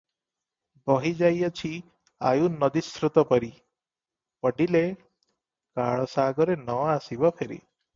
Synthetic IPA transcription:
bɔɦid͡ʒajɔt͡ʃʰi | a̰junɔd̪isɾut̪ɔpɔɾi | pɔɖile | kaɭɔsaɡɔɾenɔasibɔpʰeɾḭ

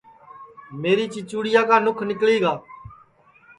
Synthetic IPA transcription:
meːɾiːt͡ʃɪt͡ʃuːɽɪjaːkaːnʊkʰnɪkliːɡaː

